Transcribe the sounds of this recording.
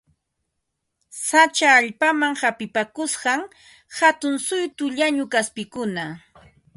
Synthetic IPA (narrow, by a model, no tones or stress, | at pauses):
sat͡ʃaːʎpamaŋhapɪpakʊsɢɑŋ | hat̪ʊnsʊjt̪ʊʎaɲʊkaspɪkʊna